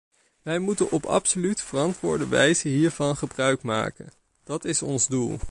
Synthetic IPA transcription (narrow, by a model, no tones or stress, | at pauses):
ʋɛjmutənʔɔpɑ̰psolytfərɑntʋʊːɹdəʋɛ̰jzəɦiːɹvɑnχəbrœɥkma̰ːkən | d̥ɑtɪsɔnzdulˠ